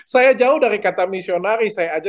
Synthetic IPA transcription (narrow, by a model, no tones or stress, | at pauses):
sajad͡ʒaʊhdaɾikat̪amisionaɾisajaːd͡ʒa